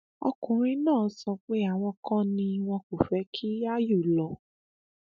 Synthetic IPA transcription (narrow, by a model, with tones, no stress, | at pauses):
ɔ̰˧kũ˨ɾ̃ĩ˧nãː˦˨˦sɔ˧k͡pe˦a˦˨w̃ɔ̃˧kʰɔ̃˦nĩ˧w̃ɔ̃˧ko˨fɛ˨˦kʰi˦a˦ju˦˨lɔ˨˧˦